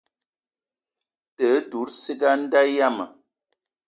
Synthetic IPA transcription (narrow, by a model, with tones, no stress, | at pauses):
tə˨˦du˨˦ɾsi˦ɡa˦n̩˦da˦ja˦mə̰˨